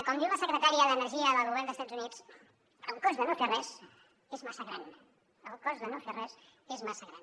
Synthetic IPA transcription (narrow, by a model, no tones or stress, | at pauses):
kɔmd̪iwləsəkɾət̪aɾiəðənəɾʒiəðəlˠɣuβɛrnd̪əst̪ad͡zunit͡s | əlˠkɔzðənoferɛz̥ | ezmasəɣɾa̰n | əlˠkɔzðənoferɛzezmasəɣɾan